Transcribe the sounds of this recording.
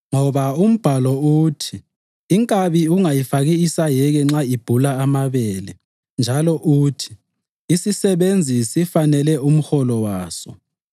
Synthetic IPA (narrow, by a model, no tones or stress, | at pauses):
ŋɔβaum̩b̥ʱalɔuːtʰiː | ŋkʼaβiuŋajifaɣiisajɛɣɛŋ͡ǁaib̥ʱulaːmaβɛːlɛ | nd͡ʒʱalɔʔuːtʰi̥ː | sisɛβend͡zʱisifanɛlɛum̩xɔlɔwaːsɔ̰